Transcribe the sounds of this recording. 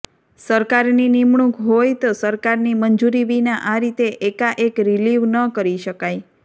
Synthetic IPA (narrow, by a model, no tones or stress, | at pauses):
səɾkaɾninimɳũkɦojt̪osəɾkaɾnimənd͡ʒuɾiʋinaʔaɾit̪eʔekaʔekɾiliʋnəkəɾiʃəkaj